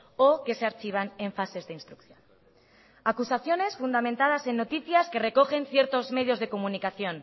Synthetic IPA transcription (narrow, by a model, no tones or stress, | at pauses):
oke̞seaɾt͡ʃiβ̞ane̞ɱfase̞zðeinst̪ɾukθjon | akusaθjo̞ne̞sfund̪amẽnt̪að̞ase̞nːo̞t̪iθjaske̞re̞ko̞xe̞nθje̞ɾt̪o̞zme̞ðjo̞zðe̞ko̞munikaθjo̞n